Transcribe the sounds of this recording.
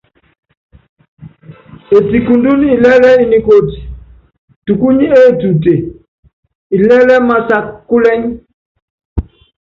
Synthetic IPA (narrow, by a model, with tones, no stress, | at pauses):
e˨ti˨ku˨ndu˦ni˨lɛ˦lɛ˦i˦ni˨ko˦ti̥˨ | tu˨ku˦ɲi˦e˦˨tu˨te˨ | i˨lɛ˦lɛ˦ma˦˨sa˨kːu˦lɛ˦ɲ